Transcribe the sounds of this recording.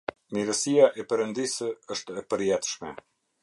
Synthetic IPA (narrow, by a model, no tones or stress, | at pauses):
miɾəsijaʔɛpɛɾənd̪isəəʃt̪ɛpəɾjɛt̪ʃmɛ